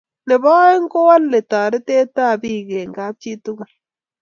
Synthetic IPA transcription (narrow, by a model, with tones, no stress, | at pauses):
ne˨βa˦e˦ŋ˦ko˦wa˦lːe˨t̪aː˨ɾe˦t̪eː˦taː˦˨βiː˦˨ɣeː˨ŋɡaː˦t͡ʃi˦t̪u˦ɣa˨